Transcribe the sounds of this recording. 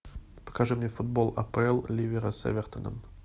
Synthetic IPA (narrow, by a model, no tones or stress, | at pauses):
pə̥kaʐɨmnʲefud̪̚bolˠɐ̰pəɛlˠlʲivʲeɾəsʲḛvʲert̪ənə̰m